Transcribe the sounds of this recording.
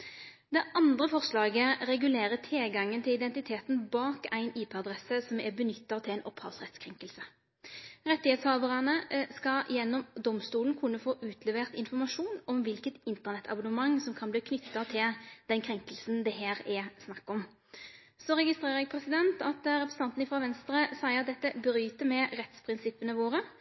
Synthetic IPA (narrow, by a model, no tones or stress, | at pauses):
d̪ɛʔɑnd̪ʁəfɔʁslɑːɡəʁɛɡʉleːʁət̪ʰɪlɡɑŋːənt̪ʰɪlɪd̪ɛnt̪ɪt̪ʰeːt̪n̩bɑːkæɪniːpʰɛɑd̪ʁɛsəsɔmɛbənʏt̪ːɑt̪ʰɪlæɪnʔɔphɑ̰lsʁɛt̪skʰʁɛŋkəlsə | ʁɛt̪ːɪheːt̪shɑːʋ̪əʁɑnəskɑ̰jɛnːɔmd̪ɔmst̪uːlən̩kʰʊnːəfoːʔʉːt̪ʰlɛʋeːʁt̪ɪnfɔʁmɑʂuːnɔmʋɪlkət̪ɪnt̪əʁnɛt̪ːʰɑ̰bʊnəmɑŋːsɔmkʰɑnbliːkʰnʏt̪ːɑt̪ʰɪld̪ɛnkʰɾɛŋkəlsnd̪ɛɦæːɾɛsnɑkːɔm | sɔʁɛɡɪst̪ʁeːʁəɾɛːɡ̚pʰɾɛsɪd̪ɛnt̪ɑt̪ɾɛpɾəsəɑnn̩ɪfɾɑːʋɛnst̪ɾəsæɪəɑt̪̚d̪ɛt̪ːəbɾyːt̪əmɛʁɛt̪spʰɾɪnsɪpːənəʋoːʁə